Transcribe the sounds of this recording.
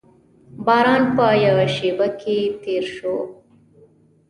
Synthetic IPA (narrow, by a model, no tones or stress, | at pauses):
baɾaːnpaːjaʃibɐkiːt̪iɾʃoː